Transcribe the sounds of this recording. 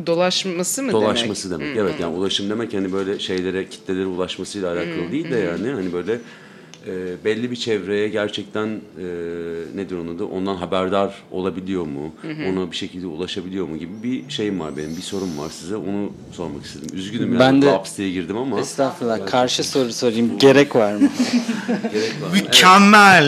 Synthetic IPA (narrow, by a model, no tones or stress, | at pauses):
d̪o̞lˠaʃmasɯmd̪o̞lˠaʃmasɯd̪e̞mɛ̰cevɛt̪jaːniulˠaʃɯmd̪e̞mɛchanibø̞jlʲɛʃejlʲe̞ɾɛcʰi̥t̪ʰːeeɾiulˠaʃmasɯjlʲˠaɦalʲaːkʰalˠɯd̪ijilʲd̪ɛjaːnɪhanibø̞jlʲɛ | ɛːbɛlʲːibit͡ʃʰɛvɾe̞jɛɟæɾt͡ʃʰɛc̚t̪ʰænɛːned̪iɾonˠad̪ɯʔo̞nd̪anɦabæɾd̪aɾo̞lˠabilʲijo̞ɾmuo̞nabiʃe̞cʰilʲd̪ɛulˠaʃabilʲijo̞ɾmuɟibibiʃe̞jimva̰ɾbe̞nimbiso̞ɾumva̰ɾsizɛo̞nu | so̞ɾmaki̥st̪ʰed̪imyzɟynymjaːændb̪apst̪ʰejɛɟiɾd̪imamaɛst̪aflˠakʰaɾʃɯso̞ɾusoɾijimɟe̞ɾɛcvaɾmɯ | ɟeɾɛcvamycʰɛmːælʲ